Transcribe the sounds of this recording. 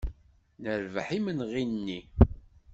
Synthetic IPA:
nəɾvəħimənʁinnːi

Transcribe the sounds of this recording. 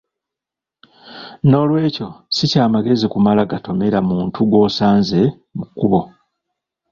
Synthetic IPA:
no̞ːlwe̞ːco̞sicaːmaɡe̞zikumalaɡato̞me̞ɾamuːntʰuɡo̞ːsaːnze̞ | mukːuβo̞

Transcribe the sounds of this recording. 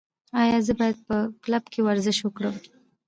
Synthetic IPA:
ɑjɑzəbɑjad̪̚pəklabkʰewaɾzɪʃwəkɽəm

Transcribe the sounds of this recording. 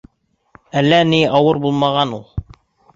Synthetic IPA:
ælːæniʔɑwɤɾbulˠmɑʁɑnulˠ

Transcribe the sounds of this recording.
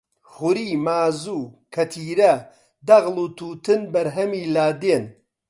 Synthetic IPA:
χʊɾiːmaːzuːkʰɐt̪ʰiːɾɐ | d̪ɐɣlˠuːt̪ʰuːt̪ɨnbɐɾɦɐmiːlaːd̪eːn

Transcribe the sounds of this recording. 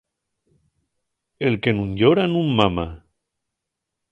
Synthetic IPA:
elkenuɲʎoɾanummama

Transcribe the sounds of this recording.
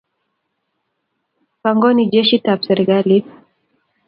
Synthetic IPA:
paŋɡɔnid͡ʒɛʃitapsɛɾikali

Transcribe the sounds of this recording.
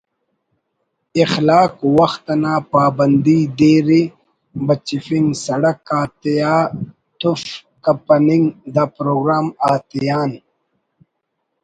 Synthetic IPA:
ixlaːkwɐxt̪ɐnaːpaːbɐnd̪id̪eːɾi | bɐt͡ʃifiŋɡsɐɽɐkaːt̪ijaː | t̪uf | kɐpɐniŋɡd̪apɾoːɡɾaːmaːt̪ijaːn

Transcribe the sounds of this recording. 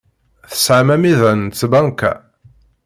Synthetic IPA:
θə̥sʕamæmiðænt͡sːbæŋkæ̰

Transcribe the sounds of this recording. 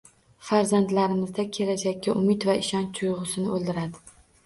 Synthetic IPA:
faɾzand̪laɾɪmɪzd̪akʲʰe̞lad͡ʒakʲːaʔʊmɪt̪vaɪʃɒnt͡ʃ̪ʰʊjʁɨsɪnɪolˠd̪ɪɾad̪ɪ

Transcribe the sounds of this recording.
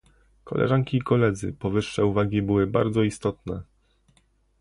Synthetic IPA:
kɔ̰lʔɛ̰ʐaŋkʲiːkɔlɛd̪zɘ̰pɔvɘʂːɛuvaɡʲibɘwɘba̰ɾd̪zɔist̪ɔt̪nɛ

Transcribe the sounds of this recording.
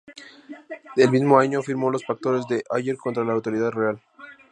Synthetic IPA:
d̪elmizmo̞aɲofiɾmo̞lo̞sfak̚t̪o̞ɾe̞zd̪e̞ʔaʝeɾko̞nt̪ɾalaːwt̪o̞ɾiðaðre̞al

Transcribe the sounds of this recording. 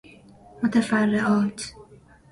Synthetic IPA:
mot̪ʰæfærːeʔɒːt̪ʰ

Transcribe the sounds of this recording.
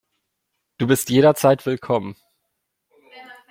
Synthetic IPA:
d̥uːbɪstjeːɾɐt͡saɪtv̥ɪlkʰɔmən

